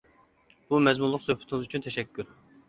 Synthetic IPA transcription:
b̥umɛzmunlˠʊqsøhpʰɪt̪ɪŋɨzyt͡ʃʰynt̪ʰɛʃɛkʲʰːyɾ

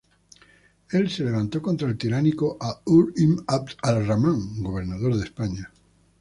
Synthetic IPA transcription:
elsele̞β̞ãnt̪o̞kont̪ɾaelt̪iɾanikoʔauɾimap̚t̪alramãŋɡoβ̞eɾnað̞oɾðespaɲa

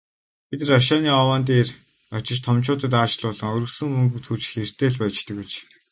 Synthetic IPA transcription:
pit̪raʃaːniːɔwaːnt̪̬eːr | ɔt͡ɕɪ̆t͡ɕt̪ʰɔmt͡ɕʊːt̪ə̆t̪aːʃ̆ɮʊːɮɞ̆ŋɵɾɵ̆ksɵ̆ŋmɵŋɡut̪ʰxut͡ɕxer̥t̪eːɮpœt͡ɕt̪ɘ̆ket͡ɕ

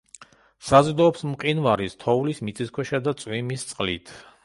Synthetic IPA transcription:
sazd̪ɔːpsmqʼinvaɾist̪ʰɔulismit̪sʼiskʰwɛʃad̪at̪sʼwimist̪sʼqʼlit̪ʰ

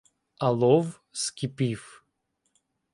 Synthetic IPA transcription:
alˠɔv | skʲipif

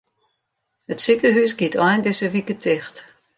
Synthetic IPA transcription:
hətsikəɦysɡitʰɔjnbɪsəʋikətʰɪxt

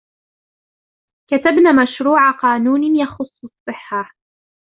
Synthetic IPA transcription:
kat̪abnaːmaʃɾuːʕaqɑːnuːnɪjɑxʊsˤːɑsˤːɨħːa

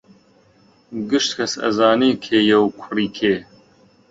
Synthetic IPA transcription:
ɡɨʃt̪kʰɐsɐ̰zaːneːkʰeːjɛwkʰʊriːkʰeː

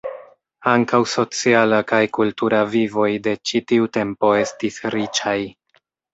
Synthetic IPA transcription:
aŋkawso̞t͡sialakajkultuɾavivo̞jde̞t͡ʃitiute̞mpo̞e̞stisɾit͡ʃaj

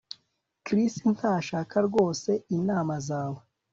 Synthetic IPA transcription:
kɾistin̥aːʃaːkaɾɡo̞ːse̞inaːmazaːwe

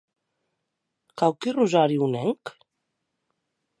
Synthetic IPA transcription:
kawkiruzaɾiunɛŋk

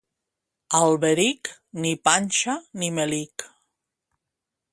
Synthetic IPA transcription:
alβeɾiknipanʲʃanimelik

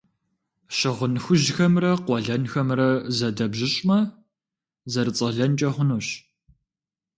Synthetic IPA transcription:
ɕɪʁənxʷʊʒxɐmrɐqʷɔɮɐnxɐmrɐzɐdɐbʑɪɕʼmɐ | zɐɾɨt͡sʼɐɮɐnt͡ʃʼɐχʷʊnuɕ

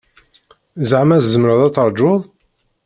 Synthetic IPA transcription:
zʕəmæθzəmɾəðˤɑt͡sːəɾˤd͡ʒʊðˤ

